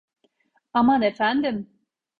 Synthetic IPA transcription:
amanefænd̪ɪm

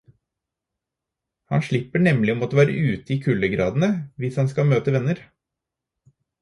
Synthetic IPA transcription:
hɑ̰nʂɭɪpːəɳɛmlɪɔmɔt̪əʋæːɾə̰ʔʉːt̪əiːkʰʉləɡɾɑ̰ːd̪n̩əʋɪshɑnskɑmøːt̪əʋɛnəɾ

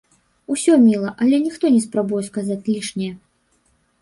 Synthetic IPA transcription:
usʲɔmʲilˠɐʔɐlʲɛnʲixt̪ɔnʲɛspɾabujɛskazat͡sʲlʲiʂnʲɛjɛ

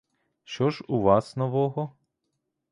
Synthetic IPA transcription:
ʃt͡ʃɔʒuʋɑsnɔʋɔɦɔ

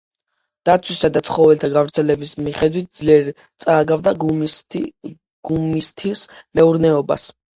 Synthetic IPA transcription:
d̪̥at̪sʰwisad̪at̪sʰχɔvɛlt̪ʰaɡavɾt̪sʰɛlɛbismiχɛd̪wit̪̚d̪zliɛɾ | t̪sʼaːɡavd̪a | ɡumist̪ʰismɛuɾnɛɔba̰s

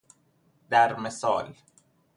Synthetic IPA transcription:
d̪æːɾmɛsɔ̰ːl

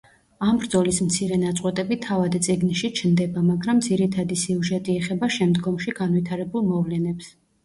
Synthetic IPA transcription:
ambɾd̪zɔlismt̪sʰiɾɛnat̪sʼqʼwɛt̪ʼɛbit̪ʰːavad̪t̪sʼiɡnʃit͡ʃʰnd̪ɛbamaɡɾamd̪ziɾit̪ʰad̪isiuʒɛt̪ʼiɛχɛbaʃɛmd̪ɡɔmʃiɡanvit̪ʰaɾɛbulˠmɔvlɛnɛps

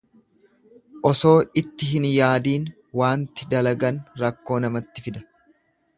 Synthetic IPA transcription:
ʔɔso̞ːɪt̪ːɪɦɪnjaːd̪iːn | waːnt̪ɪd̪ɐlɐɡɐnɾɐkːo̞ːnɐmɐt̪ːɪfɪd̪ɐ̥

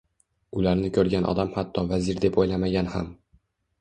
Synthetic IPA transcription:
ʊlaɾnɪkʲʰɵɾɡʲanʔɒ̰d̪amhat̪ʰːɒvazɪɾd̪e̞pojlamaɡʲanham

